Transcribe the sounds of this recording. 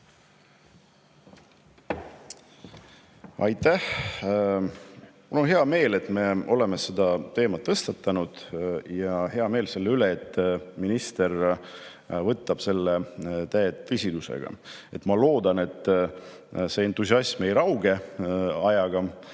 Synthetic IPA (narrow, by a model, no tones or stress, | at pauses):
ɑ̰jt̪ːæh | mulo̞nɦe̞ɑme̞ːle̞t̪ːˑme̞o̞le̞mese̞d̪ɑt̪e̞ːmɑt̪ːɤst̪ɑt̪ːˑɑnud̪̥jɑhe̞ɑme̞ːlse̞lːeyle̞et̪ːˑminist̪e̞r | vɤt̪ːˑɑb̥se̞lːet̪æet̪ːesʲid̪usḛɡ̥ɑ̰e̞t̪mɑlo̞ːd̪ɑne̞t̪ˑː | se̞ːent̪ːˑusiɑsmejɾɑwɡe̞ɑjɑɡ̥ɑ